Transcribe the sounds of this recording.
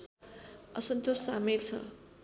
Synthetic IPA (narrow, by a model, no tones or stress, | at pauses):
ʌsʌnt̪osːamilt͡sʰʌ̰